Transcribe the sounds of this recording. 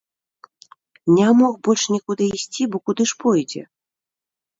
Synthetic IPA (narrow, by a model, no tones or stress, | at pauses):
nʲamɔxbɔlʲʂnʲɛkud̪ɨisʲt͡sʲibɔkud̪ɨʂpɔjd͡zʲɛ̰